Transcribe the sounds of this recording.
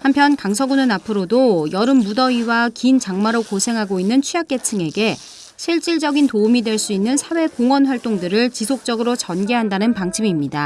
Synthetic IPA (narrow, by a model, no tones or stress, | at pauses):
hampʰjʌnkaŋsʰʌɡunɯnapʰɯɾodojʌɾɯmːudʌiwakint͡ɕaŋmaɾokosʰe̞ŋɦaɡoinːɯnt͡ɕʰujak͈e̞tʰɯŋe̞ɡe̞ | ɕʰiɭt͡ɕ͈iɭd͡ʑʌɡintoumidweɭs͈uinːɯnsʰawe̞koŋwʌnɸwaɭt͈oŋdɯɾɯɭt͡ɕisʰok̚t͡ɕ͈ʌɡɯɾot͡ɕʌnɡe̞ɦandanɯnpaŋt͡ɕʰimimɲida